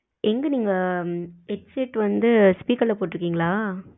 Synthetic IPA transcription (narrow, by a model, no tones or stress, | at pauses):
ʔɛŋɡɐniːŋɡɐ | ɛʈseʈːʋɐnd̪ɯspiːkɐɾlɐpoːʈːɾɯkːiːŋɡɐɭaː